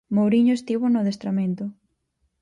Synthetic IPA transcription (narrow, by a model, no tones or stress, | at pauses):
mowɾiɲoest̪iβʊnʊðest̪ɾament̪ʊ